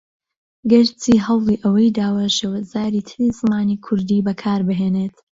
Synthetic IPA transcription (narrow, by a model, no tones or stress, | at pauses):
ɡɨɾt͡siːɦɐwlˠiːʔɐwɐjd̪aːwɐʃeːwɐzaːɾiːt̪ʰɨɾizɨmaːniːkʰʊɾd̪iːbɐkʰaːɾbɨɦeːneːt̪